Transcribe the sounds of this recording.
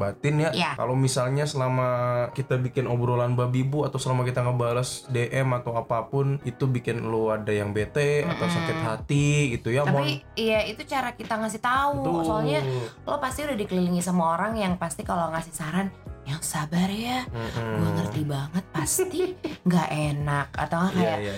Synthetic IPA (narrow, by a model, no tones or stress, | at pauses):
bat̪ɪnjajaka̰lowmisalɲasəlamakit̪abikɪnobɾolanbabibuat̪awsəlamakit̪aŋəbaɾəsdeʔɛmat̪awapapʊnit̪ubikɪnloadajaŋbet̪ɛa̰t̪awsakɪt̪ɦat̪iɡit̪ujaampiijait̪ut͡ʃaɾakit̪aŋasɪht̪ausoalɲalopast̪iudahdikəliliŋisamaoɾaŋjaŋpast̪ikaloŋasɪhsaɾanjaŋsabarjaɡaŋərt̪ibaŋət̪̚past̪iŋɡaʔenaka̰t̪awakajaja